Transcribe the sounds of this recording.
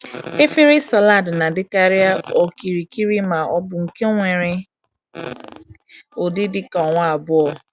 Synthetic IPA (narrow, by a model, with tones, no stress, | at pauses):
e˦fe˦ɾe˦sa˨la˦˨dna˨dɪ˦ka˨ɾɪ˦a˦o˨ki˨ɾi˨ki˦ɾi˦ma˨ʔɔ˦bʊ˨ŋ̩˨ke˦ŋʷe˨ɾɪ˨ | o˨dɪ˦dɪ˦ka˨ɔ˨ŋʷa˦a˨bʊ˦ɔ˦˨